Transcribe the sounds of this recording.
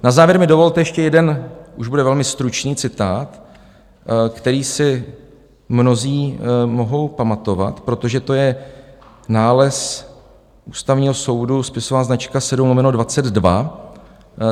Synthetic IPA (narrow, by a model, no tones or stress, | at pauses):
nazaːvjɛɾmɪdo̞vo̞lt̪ɛjɛʃcɛjɛdɛnʔuʒbudɛvɛlmɪst̪ɾut͡ʃniːt͡sɪt̪aːt̪ | kt̪ɛɾiːsɪ | mno̞ziːmo̞ɦo̞wpamat̪o̞va̰t̪pɾo̞t̪o̞ʒɛt̪o̞jɛ | naːlɛs | ʔuːst̪avɲiːɦo̞so̞wduspɪso̞vaːznat͡ʃkasɛdumnomɛnodvat͡sɛd̪dva̰